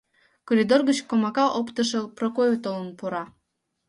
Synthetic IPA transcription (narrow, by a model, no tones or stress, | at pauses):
koɾid̪orɣət͡ɕkomɑkɑʔopt̪əʃɤ̆prokojot̪olə̆npuɾɑ